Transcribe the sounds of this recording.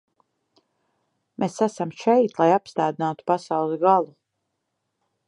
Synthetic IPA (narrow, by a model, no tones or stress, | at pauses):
mesasamʃɛjt̪lˠajapst̪aːd̪inaːt̪u̥pasawlˠɛzɡalˠu